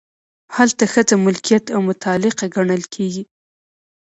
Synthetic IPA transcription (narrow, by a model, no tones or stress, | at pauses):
halt̪axət͡samʊlkijat̪awmʊt̪ʰɑlɪqaɡaɳəlkʰeɡi